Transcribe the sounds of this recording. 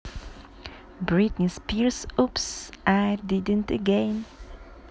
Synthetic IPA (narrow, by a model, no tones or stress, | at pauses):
bɹɪt̪nɪspʰiɹsʊpsʔæɾd̪ɪd̪ə̃nt̪əɡẽɪn